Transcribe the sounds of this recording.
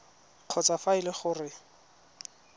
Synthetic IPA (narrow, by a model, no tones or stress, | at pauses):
q͡χʰɔt͡safaɪlɪχʊrɪ